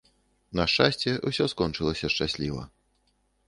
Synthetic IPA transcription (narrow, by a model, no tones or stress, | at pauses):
nɐʂt͡ʂasʲt͡sʲɛʔusʲɔskɔnt͡ʂɨlˠɐsʲɐʂt͡ʂasʲlʲivɐ̰